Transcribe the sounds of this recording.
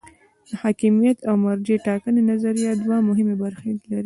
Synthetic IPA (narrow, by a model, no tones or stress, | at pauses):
d̪̥əhɑkimijat̪awmaɾd͡ʒeʈɑkənenazaɾijɑd̪wamʊɦɪmebaɾxelaɾi